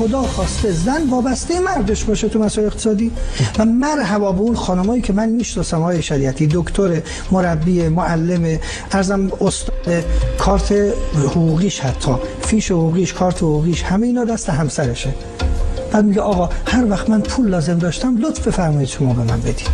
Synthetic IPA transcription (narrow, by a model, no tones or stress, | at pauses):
xod̪ɒːxɒːst̪ezænvɒːbæst̪ejemæɾd̪eʃbɒːʃet̪ʰumæsɔeleqt̪ʰe̥sɒːd̪iːvæmæɾɦævɒːbeunxɒːnomɒːjiːcʰemænmiːʃnɒːsæmɒɣɒːjeʃæɾiːæt̪ʰiːd̪okt̪ʰoɾe | moɾæbːiːemoælːeme | æɾzæmost̪ɒːd̪ekʰɒːɾt̪ʰehoɣuːɣiːʃhæt̪ʰːɒː | fiːʃehuːɣiːʃkʰɒːɾt̪ʰehoɣuːɣiːʃhæmejiːnɒːd̪æst̪eɦæmsæɾeʃe | b̥æːd̪miɡeʔɒːɣɒːhæɾvæxt̪mænpʰuːlːɒːze̞md̪ɒːʃt̪æmlot̪fbe̞fæɾmɒːid̪ʃomɒːbemæ̰nbed̪i̥d̪̥